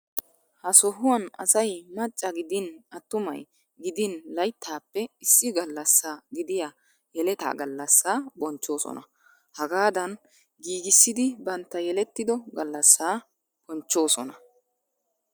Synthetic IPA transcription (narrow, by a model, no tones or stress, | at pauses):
hɐsɔhʊwɐnɐ̰sɐjmɐt͡ʃʼːɐɡɪd̪ɪnɐt̪ːʊmɐ̰j | ɡɪd̪ɪnlɐjt̪ːaːpːɛɪsːɪɡɐlːɐsːaːɡɪd̪ɪja | jɛlɛt̪a̰ːɡɐlːɐsːaːbɔnt͡ʃːo̞ːsɔ̰nɐ̰ | hɐɡaːd̪ɐn | ɡiːɡɪsːɪd̪ɪbɐnt̪ːɐjɛlɛt̪ːɪd̪ɔɡɐlːɐsːaː | b̥ɔnt͡ʃːo̞ːsɔnɐ